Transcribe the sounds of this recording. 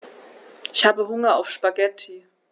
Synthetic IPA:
ʔɪ̥çhaːbəɦʊŋɐa̰ʊfʃpaɡɛtʰi

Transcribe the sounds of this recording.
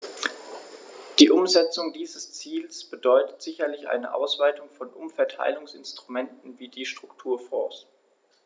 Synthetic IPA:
d̥iːʔʊmzɛt͡sʊŋdiːzəst͡siːlsb̥ədɔʏtə̥tz̥ɪçɐlɪçʔa̰ɪnəʔa̰ʊsv̥aɪtʊŋfɔnʔʊ̰mfɛɐtʰa̰ɪlʊŋsɪ̰nstʁ̥umɛntn̩viːdiːʃtʁ̥ʊktʰuːɐfɔ̰ɐs

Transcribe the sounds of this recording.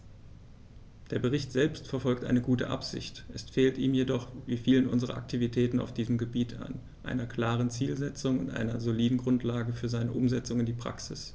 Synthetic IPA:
d̥eːɐbəʁ̞ɪçtz̥ɛlpstfɛɐfɔlk̚tʔa̰ɪnəɡuːtəʔa̰pz̥ɪ̰çtʔɛsfeːltiːmjedɔχviːfiːlənʊnzəʁ̞ɐ̰ʔa̰k̚tʰivitʰɛːtn̩a̰ʊfd̥iːzəmɡəbiːtʰa̰n | ʔa̰ɪnɐkl̥aːʁ̞ənt͡siːlzɛt͡sʊŋʊ̰ntʔa̰ɪnɐzoliːdn̩ɡʁʊntʰlaːɡəfyːɐzaɪnəʔʊmzɛt͡sʊŋɪndiːpʁ̥a̰ksɪs

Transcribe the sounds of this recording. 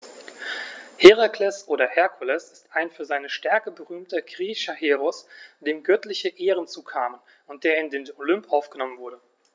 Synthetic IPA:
heʁakʰlɛsʔoːɾɐhɛɐkʰulɛsɪstaɪnfyːɐzaɪnəʃtɛɐkəbəʁyːmtɐɡʁiːʃɐheːʁɔsd̥eːmɡœtlɪçəʔeːʁənt͡suːkʰaːmən | ʊnt̚d̥eːɐɪndeːnolʏmpʔaʊfɡ̥ənɔmənvʊɐɾə

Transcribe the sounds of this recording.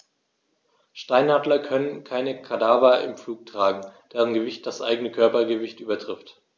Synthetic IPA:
ʃtaɪnhadlɐkʰœnənkʰaɪnəkʰadaːvɐɪ̰mfluːk̚tʁ̥aːɡŋ̩d̥ɛːʁənɡəvɪçt̚d̥asʔa̰ɪɡənəkʰœɐpɐɡəvɪçtʔyːbɐtʁ̥ɪft

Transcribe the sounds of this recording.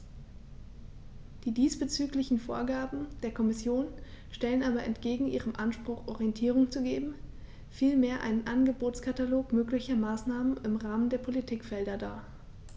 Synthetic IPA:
d̥iːdiːsb̥ət͡syːklɪçn̩fo̰ːɐɡaːbm̩d̥eːɐkʰɔmɪsjoːn | ʃtɛlənʔaːbɐʔɛ̰ntɡ̥eːɡŋ̩ʔiːʁ̞əmʔanʃpʁ̥ʊχʔɔʁiɛntʰiːʁ̞ʊŋt͡suɡeːbm̩ | fiːlmeːɐʔa̰ɪnənʔanɡəboːtskʰataloːkmøːklɪçɐmaːsnaːmənɪmʁaːməndeːɐpʰolitʰiːkfɛldɐdaːɐ

